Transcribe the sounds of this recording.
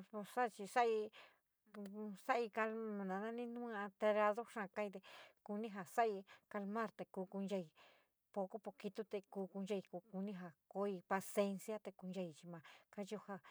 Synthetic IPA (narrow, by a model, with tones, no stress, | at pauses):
po˧sa˦˧t͡ʃi˧sa˦ʔi˧ | sa˦ʔi˧ka˧lã˧nã˨˧nã˦nĩ˦nũː˦˧ã˧t̪e˧ɾa˧ðo˦ʂã˧ka˧˦i˧t̪e˧ku˧nĩ˦ɦa˧sa˦ʔi˧ka˧lmã˦ɾt̪e˧kuː˧ku˧nd͡ʒa˧i˧ | po˧ko˦po˧ki˧t̪u˦t̪e˧kuː˧˦ku˧nd͡ʒa˧i˧ku˧ku˧nĩ˦ɦa˧˨ko˧˦i˧pa˧se˧nsja˦t̪e˧ku˧nja˧i˧t͡ʃi˧mã˨˧ka˦ju˧ha˧